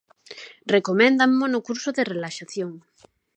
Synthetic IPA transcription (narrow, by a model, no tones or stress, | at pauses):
rekomɛ̃nd̪aŋmonʊkuɾsʊðerelaʃaθjoŋ